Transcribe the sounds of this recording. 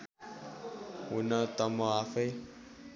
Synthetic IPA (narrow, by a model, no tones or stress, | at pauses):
wunãt̪ɔmɔ̃afe